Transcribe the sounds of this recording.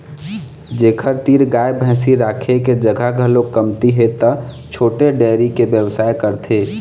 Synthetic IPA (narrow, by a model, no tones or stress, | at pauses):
d͡ʒeːkʰəɾt̪iːɾɡaːjebʱə̃ːsiɾaːkʰeked͡ʒəɡʱaɡʱəlokəmt̪iɦet̪ə | t͡ʃʰoːʈeɖɛɾikebjəwsaːekəɾt̪ʰe